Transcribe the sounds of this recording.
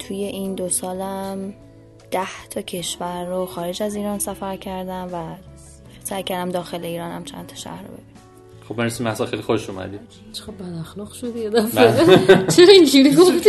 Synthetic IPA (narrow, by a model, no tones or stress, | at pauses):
t̪ʰuje̞ʔind̪osɒːlæm | d̪̥æht̪ʰɒcʰe̞ʃvæɾːoxɒːɾed͡ʒæziːɾɒːnsæfæɾcʰæɾd̪æmvæ | sæjkʰæɾd̪æmd̪ɒːxe̞le̞iːɾɒːnhæmt͡ʃʰæ̰nt̪ʰɒ̥ʃæ̰hɾobe̞̰binæm | xobenɾesimæhsɒlxejlixoʃomæ̰d̪i | t͡ʃʰeɣabbæd̪æxlɒːɣʃod̪jed̪æfbet͡ʃʰeɾɒind͡ʒiɾiɡofd̪